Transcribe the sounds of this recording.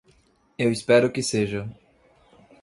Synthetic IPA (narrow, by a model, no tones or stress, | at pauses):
ewispɛɾʊkɪseʒɐ